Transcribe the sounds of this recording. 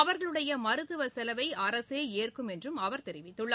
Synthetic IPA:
ɐʋɐɾɣɐɭɯɽɐjɐmɐɾɯt̪ːɯʋɐsɛlɐʋɐɪɐɾɐseːeːrkɯmɛndrɯmɐʋɐɾt̪ɛɾɪʋɪt̪ːɯɭːɐ

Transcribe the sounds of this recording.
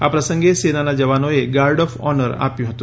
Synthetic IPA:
apɾəsəŋɡesenanad͡ʒəʋanoeɡaɾɖɔfɔ̰nəɾa̰pjuɦət̪u

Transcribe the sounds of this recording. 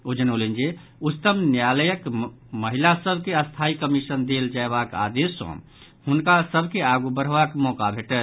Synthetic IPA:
od͡ʒənolind͡ʒe | ut̪əmnjaləjəkməɦilasəbʱkeəst̪ʰaikəmisənd̪eld͡ʒaeβaka̰d̪esõ̰ | hunkasəbʱkeaɡubəɾ̤bakmɔkabʱeʈə

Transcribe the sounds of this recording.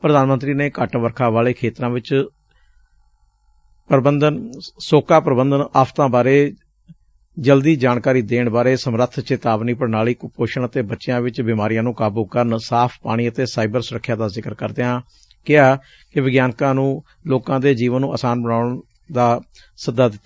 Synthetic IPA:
pɾəd̪aːnmənt̪ɾiːneːkəʈʋəɾkʰaːʋaːleːkʰeːt̪ɾãːʋɪt͡ʃ | pɾəbənd̪ənsoːkaːpɾəbənd̪ənaːpʰt̪ãːbaːɾeː | d͡ʒəld̪iːd͡ʒaːɳkaːɾiːd̪eːɳbaːɾeːsəmɾət̪ʰt͡ʃeːt̪aːʋniːpəɽnaːliːkpoːʃəɳət̪eːbətːʃɪjãːʋɪt͡ʃbimaːɾijãːnũːkaːbuːkəɾənsaːpʰpaːɽ̃iːət̪eːsaːɪbəɾsʊɾəkʰːjaːd̪aːzɪkəɾkəɾd̪eːãː | kɪaː | kɪʋɪɡjaːnkãːnũː | loːkãːd̪eːd͡ʒiːʋənːũːa̰ːsaːnbəɳaːɳ | d̪aː | səd̪ːaːd̪ɪt̪ːaː

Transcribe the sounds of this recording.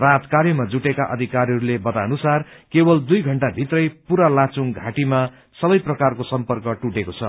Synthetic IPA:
rat̪kaɾjʌmad͡zuʈekaʔʌ̰d̪ʱikaɾɦʌɾulebʌt̪anusarkebʌld̪ujɡʱʌɳʈabʱit̪rʌjpuɾalãt͡suŋɡʱaʈima | sʌbʌjprʌkarkosʌmpʌrkʌʈuʈekot͡sʰʌ

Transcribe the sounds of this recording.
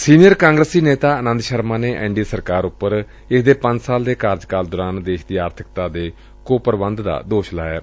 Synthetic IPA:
siːnɪjəɾkãːŋɡɾəsiːneːt̪aːənə̃nd̪ʃəɾmãːneːʔɛ̰̃ːɳɖiːsəɾkaːɾʊpːəɾ | ɪkd̪eːpə̃ɲd͡ʒsaːld̪eːkaːɾd͡ʒkaːld̪ɔːɾaːnd̪eːʃd̪iːaːɾt̪ʰɪkt̪aːd̪eː | koːpəɾbənd̪d̪a̰ːd̪oːʃla̰ːjaː

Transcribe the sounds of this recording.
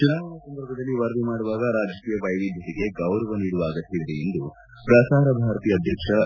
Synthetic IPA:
t͡ʃunaːɐɳɐsɐnd̪ɐɾbʱɐd̪ɐlːiʋɐɾd̪imaːɽuʋaːɡɐɾaːd͡ʒɐkiːjɐʋɐjʋid̪ʱjɐʈiɡe̞ɡɐwɾɐʋɐniːɽuʋaːɡɐt̪ːid̪ɾeend̪u | pɾasaːɾɐbʱaːɾɐt̪iːjɐd̪ʱjɐkʂɐ

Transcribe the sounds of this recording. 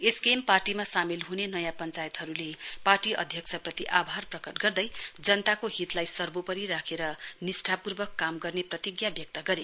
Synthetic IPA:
eskemparʈimasamilɦunenʌjãpʌnt͡sajet̪ɦʌɾuleparʈiʌ̰d̪ʱjʌksʰʌprʌt̪iʔabʱarprʌkʌʈɡʌrd̪ʌjd͡zʌnt̪akoɦit̪lajsʌrbopʌɾiɾakʰeɾʌnisʈʰapurbʌkːamɡʌrneprʌt̪iɡjabjʌk̚t̪ʌɡʌɾe

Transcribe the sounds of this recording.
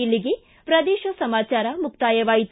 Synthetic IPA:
ilːiɡe | pɾɐd̪ɛːʃɐsɐmaːt͡ʃaːɾɐmuk̚t̪aːjɐʋaːjit̪

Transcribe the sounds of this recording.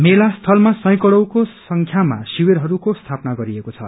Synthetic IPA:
melast̪ʰʌlmasʌ̃j̃kʌɽʌwkosʌŋkʰjama̰siweɾɦʌɾukost̪ʰapnaɡʌɾiekot͡sʰʌ̰

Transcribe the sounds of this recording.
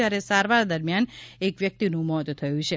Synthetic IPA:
jaɾesaɾʋaɾd̪əɾmjanekʋjək̚t̪inũmɔɦt̪t̪ʰəjũt͡ʃʰe

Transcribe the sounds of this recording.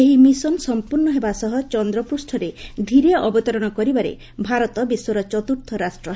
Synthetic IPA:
eɦimisɔnsɔmpuɾnɔɦebasɔɦɔt͡ʃɔnd̪ɾɔpusʈʰɔɾed̪ʱiɾeaʔɔbɔt̪ɔɾɔɽ̃ɔkɔɾibaɾḛ | bʱaɾɔt̪ɔbiswɔɾɔt͡ʃɔt̪uɾt̪ʰɔɾasʈɾɔ

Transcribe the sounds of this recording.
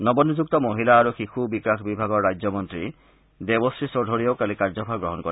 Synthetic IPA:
nɔbɔnud͡ʒuk̚t̪ɔmoɦilaːɾuxixubikakʰbibʱaɡɔɹːajd͡ʒɔmɔnt̪ɾi | d̪ebɔstʰisoɖʱoɽijɔwkalikaɹd͡ʒɔpʰaɡɹɔɦɔnkɔɾ

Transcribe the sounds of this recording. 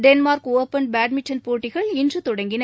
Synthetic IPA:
ɖɛnmaːɾkoːpːɐnbaːʈmɪʈʰːɐnpoːʈːɪɣɐɭɪndrɯt̪ɔɽɐŋɡɪnɐ

